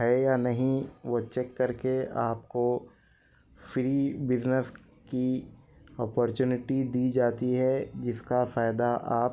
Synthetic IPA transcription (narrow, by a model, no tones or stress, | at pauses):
ɦɛjanɐɦĩʋot͡ʃɛkːɐɾkeaːp̚ko | fɾiːbɪznəs | ki | ɔːpɔɾt͡ʃuːnɪʈid̪id͡ʒaːt̪iɦɛd͡ʒɪskafaːɪd̪aʔaːp̚